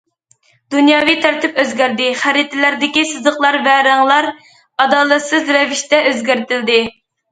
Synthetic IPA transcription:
d̪unjɑːvijt̪ʰæɾt̪ʰɪpøzɡʲæɾd̪ɪχæɾɪt̪ʰɪlæɾd̪ɪkʲisɨzəqlˠɑɾvæɾæŋlˠɑɾ | ɑd̪ɑːlˠɛt̪sɨzɾɛviʃt̪ɛøzɡʲæɾt̪ʰɪld̪ɪ

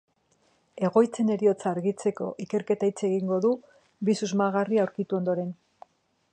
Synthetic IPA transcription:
e̞ɣ̞o̞jt͡se̞ne̞ɾio̞t͡saːɾɣit͡se̞ko̞̰ʔike̞ɾke̞t̪ajt͡seɣiŋɡo̞ðu | bisuzmaɣariawɾkit̪uo̞nd̪o̞ɾe̞n

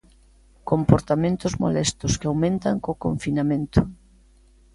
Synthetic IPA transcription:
kompoɾt̪amẽnt̪ʊzmo̰lɛst̪ʊskawmẽnt̪aŋkokoɱfinamẽnt̪ʊ

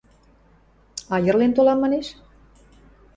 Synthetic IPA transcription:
ɑjə̆rlent̪olɑmːɑneʃ

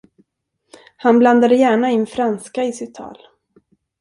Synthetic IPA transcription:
hanbland̪ad̪əjæːɳaɪnːfɾanskaɪsɪt̪ʰːɑ̰ːl

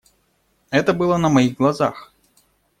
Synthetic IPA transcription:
ɛt̪əbɨlˠənɐmajiɣɡlˠaza̰x

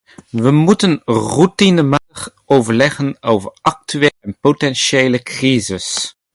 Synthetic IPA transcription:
ʋəmutənrutinəmatəχ | owvəɹlɛχənowvəɹʔɑk̚tyʋelɛnpotɛnʃeːləkrizɪs

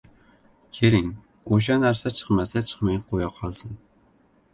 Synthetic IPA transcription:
kʲʰeɾɪŋ | oʃ̬anæɾsat͡ʃʰɨ̥qmasat͡ʃʰɨ̥χmajqʰojɑqʰɒlˠsɪn

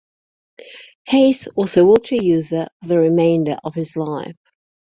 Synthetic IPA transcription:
heɪswɒzəwɪlˠt͡ʃəjʉːzəfəðəɹɪmẽɪ̃ndə̰ɹʔəv̥ɪzlaɪf

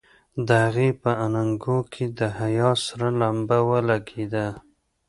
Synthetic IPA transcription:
d̪əhaɣepəanaŋɡokʰed̪əɦajɑsaɾalambawəlaɡed̪a

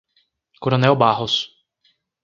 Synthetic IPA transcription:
koɾõnɛwbaɦos

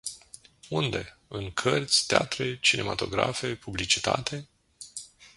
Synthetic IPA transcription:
und̪e̞ | ɨŋkʰərt̪sʲt̪ea̰t̪ɾe̞t͡ʃine̞ma̰t̪o̞̰ɡɾa̰fe̞publit͡ʃi̥t̪at̪ʰe̞

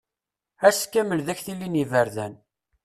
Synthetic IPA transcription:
æskːæməlðæçθilːinivəɾðæn

